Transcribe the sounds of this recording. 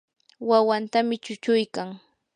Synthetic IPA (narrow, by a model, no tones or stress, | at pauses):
wawant̪amɪt͡ʃʊt͡ʃʊjkaŋ